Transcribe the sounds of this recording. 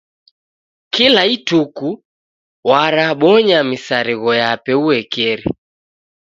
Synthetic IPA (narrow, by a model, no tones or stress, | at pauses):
kilaituku | waɾaɓɔɲamisaɾiɣɔjapɛuɛkɛɾḭ